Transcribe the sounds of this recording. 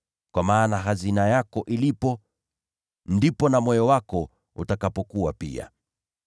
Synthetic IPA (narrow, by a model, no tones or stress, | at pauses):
kwamaːnaɦazinajakɔʔilipɔ | ndipɔnamwɔjɔwakɔ | utakapɔkuwapḭa̰